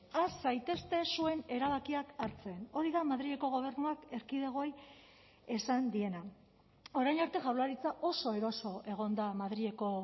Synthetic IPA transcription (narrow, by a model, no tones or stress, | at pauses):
asajt̪e̞st̪e̞sue̞ne̞ɾaβakiakaɾt͡se̞no̞ɾiðamaðɾie̞ko̞ɣ̞o̞β̞e̞ɾnuake̞ɾkiðeɣ̞o̞j | e̞sand̪ie̞na | o̞ɾajnaɾt̪e̞ʝawlaɾit͡saʔo̞so̞e̞ɾo̞so̞e̞ɣ̞o̞nd̪amaðɾie̞ko̞